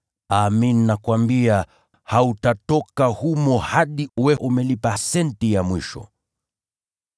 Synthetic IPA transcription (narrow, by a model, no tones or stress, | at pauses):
aminnakwambia | hautatɔkahumɔhaɗiwɛʔumɛlipasɛntijamwiʃɔ̰